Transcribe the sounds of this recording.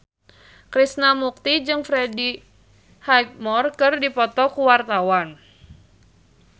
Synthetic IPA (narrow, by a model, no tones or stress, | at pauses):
kɾisnamuk̚t̪id͡ʒɨŋfɾedi | hajk̚mɔrkɨrdipɔt̪ɔkuwart̪awan